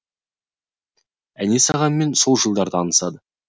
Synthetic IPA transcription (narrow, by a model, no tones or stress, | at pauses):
æne̞sɑʁɑnme̞nso̞lˠʒəlˠd̪ɑɾd̪ɑnəsɑd̪ə